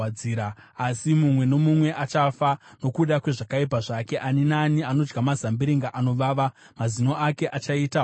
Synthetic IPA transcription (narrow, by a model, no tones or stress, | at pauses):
iːɾaːsimumwe̞no̞mumwe̞ʔat͡ʃafano̞kuɗakwe̞ʐakaip̬aʐake̞ʔaninaniano̞d͡ʒɡamazambiɾiŋɡaʔano̞ʋaʋa | mazino̞ʔake̞ʔat͡ʃaiːta